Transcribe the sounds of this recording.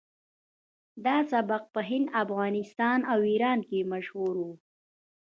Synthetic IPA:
d̪ɑsabaq̚pəɦɪnd̪afɣɑːnɪst̪ɑːnawiɾɑːnkemaʃhuɾwu

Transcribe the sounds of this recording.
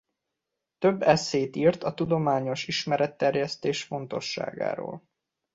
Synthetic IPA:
t̪øbːɛsːeːt̪iːrt̪ɒt̪ud̪o̞maːɲo̞ʃiʃmɛɾɛt̪ːɛrjɛst̪eːʃfo̞n̪t̪o̞ʃːa̰ːɡa̰ːɾo̰ːl

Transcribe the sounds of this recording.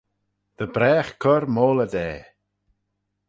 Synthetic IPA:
ð̥əbɾɛːxkʰɔɾmoːləd̪ɛː

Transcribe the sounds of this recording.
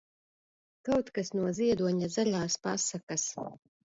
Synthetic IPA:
kawt̪kasnuɔziɛd̪uɔɲazalʲaːspasakas

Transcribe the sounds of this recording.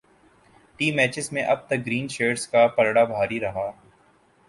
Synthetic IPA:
ʈiːmɛːt͡ʃɪzmẽʔɐb̚t̪ɐk̚ɡɾiːnʃeːɖskapɐɾɽabʱaːɾiɾɐɦaː

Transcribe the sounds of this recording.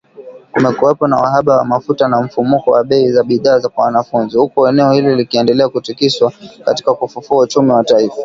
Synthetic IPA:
kumɛkuwɛpɔna̰wa̰ɦaɓawa̰mafutanam̩fumukɔwaɓɛizaɓiðaːzakwawanafunzihukuɛnɛɔhilɔlikiɛndɛlɛakutikiswaka̰ti̥kakufufuaut͡ʃumiwataifḁ

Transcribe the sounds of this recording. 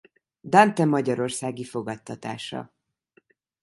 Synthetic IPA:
d̪ant̪ɛmɒɟɒɾo̞rsaːɡifo̞ɡɒt̪ːɒt̪a̰ːʃɒ̰

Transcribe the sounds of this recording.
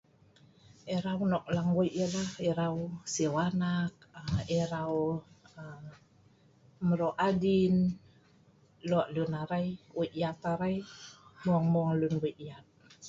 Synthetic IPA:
ɛɾaunɔk̚laŋwɔjʔəlahiɾawsiwanak̚ɛɾaw | məɾoʔadin | loaʔlunaɾajwuʔjat̪aɾajmuaŋmuaŋlunwiʔjat̪̚

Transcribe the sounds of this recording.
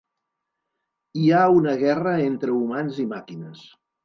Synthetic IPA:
iaunəɣɛrəent̪ɾəumanzimakinəs

